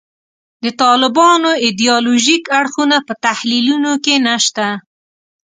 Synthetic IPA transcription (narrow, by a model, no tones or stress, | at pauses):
d̪ət̪ɑlɪbɑnoɪd̪ijɑloʒikaɽxunapət̪ahlilunokenaʃt̪a